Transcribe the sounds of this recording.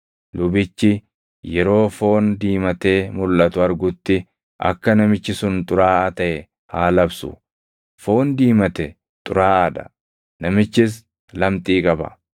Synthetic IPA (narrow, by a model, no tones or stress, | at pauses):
lʊbɪt͡ʃːɪ | jɛɾo̞ːfo̞ːnd̪iːmɐt̪e̞ːmʊlʔɐt̪ʊɐɾɡʊt̪ːɪ | ʔɐ̰kːɐnɐmɪt͡ʃːɪsʊnt̪ʼʊɾaːat̪ɐʔɛ | haːlɐbsʊ̰ | fo̞ːnd̪iːmɐt̪ɛ | t̪ʼʊɾaːaːᶑ̪ɐ̰ | nɐmɪt͡ʃːɪs̬ | lɐmt̪ʼiːkʼɐbɐ̰